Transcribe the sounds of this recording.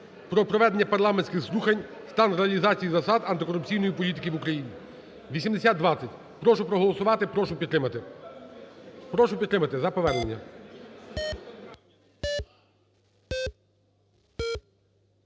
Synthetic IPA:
pɾɔpɾɔʋɛd̪e̞nʲːɐpɐɾlˠɑmenʲsʲkɪxzlˠuxɐnʲst̪ɑnɾeɐlʲizɑt͡sʲijizɐsɑd̪ɐnt̪ɪkɔɾʊp̚t͡sʲijnɔjipɔlʲit̪ɪkɪʋukɾɐjinʲi | ʋʲisʲimd̪esʲad̪̚d̪ʋɑt͡sʲːɐtʲ | pɾɔʃʊpɾɔɦɔlˠɔsʊʋɑt̪ɪpɔʃʊpʲi | pɾɔʃʊpʲd̪t̪ːɾɪmɐt̪ɪzɐpɔʋɛrnenʲːɐ

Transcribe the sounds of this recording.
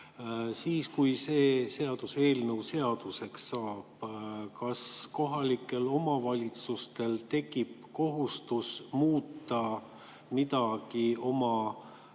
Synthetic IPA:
siːskujse̞ːse̞ɑd̪̥use̞ːlnəwse̞ɑd̪̥use̞ksːɑːb̥kɑsko̞ɦɑlikːˑe̞lo̞mɑvɑlʲit̪sust̪e̞lt̪e̞kːipko̞ɦust̪usmuːt̪ːˑɑ | mid̪ɑɡ̥io̞mɑ

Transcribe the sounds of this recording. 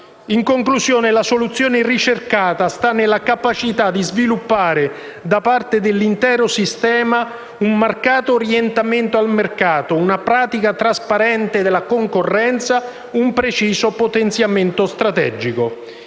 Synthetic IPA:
iŋkoŋklusjɔːnelasolut̪sːjɔːnerit͡ʃerkaːt̪ast̪anːɪlːakapat͡ʃit̪ad̪ːizvilupːaːɾe | d̪apart̪ed̪elːint̪ɛːɾosist̪ɛːma | ummarkaːt̪oːɾjent̪ament̪oalmerkaːt̪ounapɾaːt̪ikat̪ɾaspaɾɛnt̪ed̪elːakoŋkorːɛnt̪sa | umpɾet͡ʃiːsopot̪ent̪sjament̪ost̪ɾat̪ɛ̰d͡ʒiko

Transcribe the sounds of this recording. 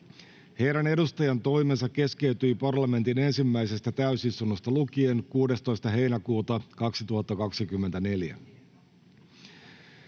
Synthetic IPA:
he̞jɾænedust̪ɑjɑnt̪o̞jme̞nsɑkːe̞ske̞yt̪yipɑrlɑme̞nt̪ine̞nsimːæjse̞st̪æt̪æysist̪unːost̪ɑlukie̞ŋkuːde̞st̪o̞jst̪ɑɦe̞jnækuːt̪ɑkɑksit̪uhɑt̪ːɑkɑksikymːent̪æne̞ljæ̰

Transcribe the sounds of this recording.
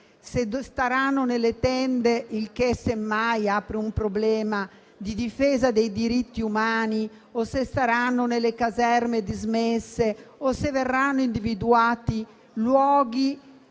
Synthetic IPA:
sest̪aɾanːonelet̪ɛnd̪eʔilk̟esːemːajaːpɾeumpɾoblɛːma | d̪id̪ifeːzad̪ejd̪iɾit̪ːiumaːni | osest̪aɾanːonelekazɛrmed̪izmesːeoseverːanːoind̪ivid̪uaːt̪i | lwɔːɡi

